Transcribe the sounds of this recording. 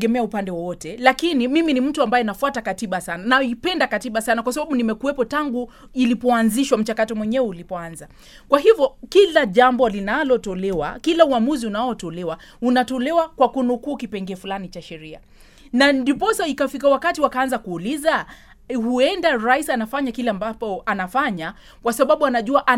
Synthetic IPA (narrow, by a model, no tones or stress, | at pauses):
ɡɛmɛaupandɛwɔwɔtɛlakinimiminim̩tuambajɛinafuatakatiɓasananaipɛndakatiɓasanakwasaɓaɓunimɛkuwɛpɔtaŋɡu | ilipɔanziʃwam̩t͡ʃakatɔmwɛɲɛwɛulipɔanza | kwaɦivjɔkilaʄambɔlinalɔtɔlɛwa̰kilauamuziunaɔtɔlɛwa | unatɔlɛwakwakunukuːkipɛŋɡɛfulanit͡ʃaʃɛɾia̰ | nandipɔsaikafikawakatiwakaːnzakuːliza | huɛndaɾaisanafaɲakilɛambapɔanafaɲa | kwasaɓaɓuanaʄuaʔa